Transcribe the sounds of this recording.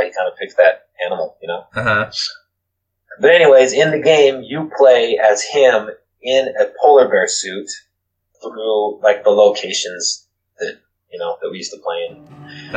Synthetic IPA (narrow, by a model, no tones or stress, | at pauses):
hikʰãɪ̃ndəpʰɪk̚tðɨɾ̚ | ænəm̩l̩ˠjɨnoʊm̩ | b̥ʌɾɛniweɪzɪ̃nðɨɡẽɪ̃mjɨpʰl̥eɪɨz̥ɪ̃m | ɪ̃nɨpʰoʊlˠə˞bɛ˞sʉt̪ | θɹulaɪk̚ðəloʊkʰeɪʃɨ̃nz̥ | ðɨt̚ | jɨnoʊðɨt̚wijʉstəpʰl̥eɪɨ̃n